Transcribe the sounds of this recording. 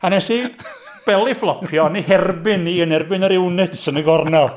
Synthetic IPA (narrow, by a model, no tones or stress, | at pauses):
anɛsi | b̥ɛlˠiflˠɔpʰjɔniɦɛrbɪnːiːənɛrbɪnəɾɪwnɪtsənəɡɔrnɔ